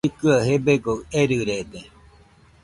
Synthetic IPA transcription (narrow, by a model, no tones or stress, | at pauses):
ikɨaɦebeɡoeɾɨɾed̪e